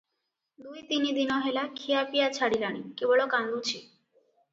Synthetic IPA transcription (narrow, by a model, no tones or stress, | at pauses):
d̪ujt̪inid̪inɔɦelakʰiapijat͡ɕʰaɽilaɽ̃ikibɔɭokand̪ut͡ɕʰi